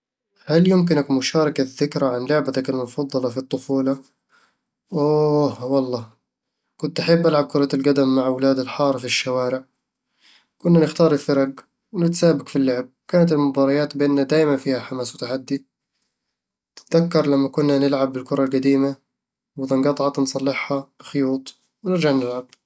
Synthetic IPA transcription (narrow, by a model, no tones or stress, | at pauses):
haljʊmk̬ɪnakmʊʃɑːɾˤɑkaðːɪkɾaʕanlʊʕbat̪akalmʊfɑðˤːɑlɑfit̪ˤːʊfuːlɑ | ʔoːhwɑlˤːɑː | kʊnt̪ʔaħɪbːʔalʕab̚kʊɾˤɑalɡad̪amːaʕawlaːd̪alħɑːɾˤfiʃːawaːɾɪʕ | kʊnːanɪxt̪ɑːɾˤɪlfɑɾˤɑɡ | wnɪt̪saːbakfilːʊʕab̚kaːnat̪̬ɪlmʊbɑːɾˤɑjaːt̪bʔɪnːad̪aːjmanfiːhaħamaːswɪt̪aħad̪ːi | t̪ɪ̥t̪ðakːɑɾˤlamːakʊnːanɪlʕabːɪlkʊɾˤɑlqad̪iːma | wɪt̪ɪnɡɑt̪ˤʕɑt̪nsˤɑlːɪħhab̥ɪxʊjuːt̪ˤ | wnɪɾd͡ʒaʕnɪlʕab̚